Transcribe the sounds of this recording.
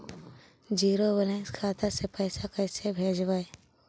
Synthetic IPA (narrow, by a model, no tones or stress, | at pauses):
d͡ʒiːɾobəlẽkʰaːt̪asepəːsakəːsebʱeːd͡ʒbaːe